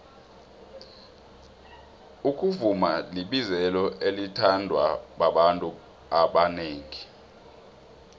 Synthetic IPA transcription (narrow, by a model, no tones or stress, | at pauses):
uk̬ʼuvumaliɓizɛlɔʔelitʰandʱwaɓaɓantʼu | aɓaneːŋi